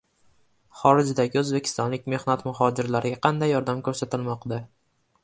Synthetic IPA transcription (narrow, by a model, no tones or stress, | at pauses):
χɒɾɪd͡ʒɪd̪aɡʲɪɵzbe̞kʲʰɪ̥st̪ɒnlɪk̚ʲme̞hnat̪mʊɦɒd͡ʒɪɾlaɾɪɡʲaqʰɑnd̪ajːɒɾd̪amkʰɵɾsat̪ɪlmɒqd̪a